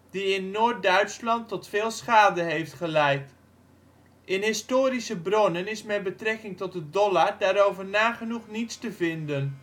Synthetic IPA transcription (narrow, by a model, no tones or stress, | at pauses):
d̥iɪnːoːt̚dœɥtslɑntɔtfɪːlˠsχaːdəɦejftχəlɛjt | ʔɪnɦɪstoːɾisəbronənɪsmɛt̚bətrɛkɪŋtɔt̚dədɔlaɹdaːɾowvəɹnaːχənuχnitstəvɪndən